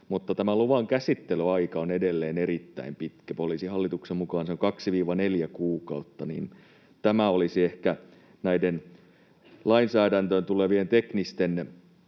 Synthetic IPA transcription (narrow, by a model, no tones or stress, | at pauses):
mut̪ːɑt̪æmæluʋɑŋkæsit̪ːelyɑikɑonedelːeːneɾit̪ːæ̰impit̪kæpolisihɑlːit̪uksemmukɑːnseoŋkɑksiʋiːʋɑneljækuːkɑut̪ːɑnḭːn | t̪æmæolisiehkæ | næiden | lɑinsæːdænt̪øːnt̪uleʋient̪eknist̪en